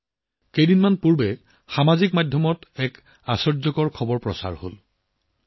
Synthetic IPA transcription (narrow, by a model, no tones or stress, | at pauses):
kejdinmanpuɹbɛ | xamazikmadʱjɔmɔtɛk | asɔɹzɔkɔɹkʰɔbɔɹpɹɔ̰sa̰ɹho̰l